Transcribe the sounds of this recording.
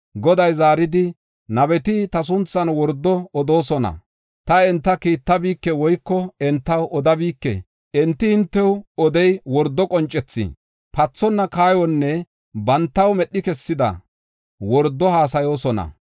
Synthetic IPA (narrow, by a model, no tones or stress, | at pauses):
ɡɔd̪ɐjzaːɾɪd̪ɪ | nɐbɛt̪ɪt̪ɐs̬ʊnt͡sːɐnwɔɾd̪ːɔɔd̪o̞ːsɔnɐ̰ | t̪ɐɛnt̪ːɐkiːt̪ːɐbiːkːɛwɔjkːɔɛnt̪ːɐwʔɔd̪ɐbiːkːɛ̰ | ʔɛnt̪ːɪhɪnt̪ːɛwɔd̪ɛjwɔɾd̪ːɔkʼɔnt͡ʃʼːɛt͡sːɪ̰ | pɐt͡sːɔnːɐkaːjɔnːɛ | bɐnt̪ːɐwmɛɗːɪkɛsːɪd̪ɐ̰ | wɔɾd̪ːɔhaːs̬ɐjo̞ːsɔnɐ̰